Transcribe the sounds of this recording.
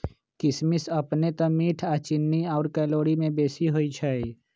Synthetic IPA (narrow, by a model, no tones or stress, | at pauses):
kɪsmɪsɐpnet̪ɐmiːʈʰaːt͡ʃɪnːiɔːɾkɛːloːɽimẽbeːsiɦoːit͡ʃʰaːi